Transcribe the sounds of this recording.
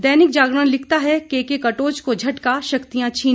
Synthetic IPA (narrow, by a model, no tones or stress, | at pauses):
d̪ɛːnɪk̚d͡ʒaːɡɾɽənlɪkʰt̪aɦɛkeːkekɐʈoːt͡ʃkod͡ʒʱɐʈkaʃɐkt̪ijãt͡ʃʰiː